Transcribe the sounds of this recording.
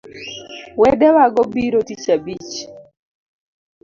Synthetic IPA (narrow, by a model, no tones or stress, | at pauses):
wɛdɛwaɡɔbiɾotit͡ʃabit͡ʃ